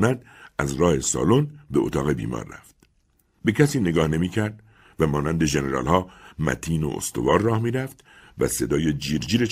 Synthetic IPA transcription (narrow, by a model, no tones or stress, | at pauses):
næd̪̥̚ | æzɾɒːhe̞sɒ̰ːlonbeo̰t̪ʰɒːɣe̞bḭːmɒ̰ːɾːæ̰ft̪̚ | be̞cʰæsiːne̞ɡɒːhne̞miːcʰæɾd̪̚ | væmɒːnænd̪e̞ʒe̞ne̞ɾɒ̰ːlhɒːmæ̰t̪ʰiːno̰ʔo̰st̪o̞̰vɒːɾːɒːhmiːɾæft̪ | væ̰se̞d̪ɒːjed͡ʒiːɾd͡ʒiːɾe